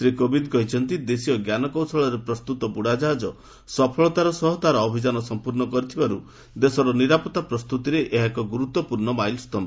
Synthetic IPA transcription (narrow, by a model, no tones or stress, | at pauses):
sɾikobinkɔɦit͡ʃʰɔnt̪id̪esijɔɡjanɔkɔwsɔɭɔɾepɾɔst̪ut̪ɔbuɽad͡ʒaɦd͡ʒɔ | sɔpʰɔɭɔt̪aɾɔsɔɦɔt̪aɾɔːbʱid͡ʒanɔsɔmpuɾɳɔkɔɾit̪ʰibaɾu | d̪esɔɾɔniɾapɔt̪apɾɔst̪ut̪iɾeʔeɦakɔɡuɾut̪ːɔpuɾɳɔmajlst̪ɔm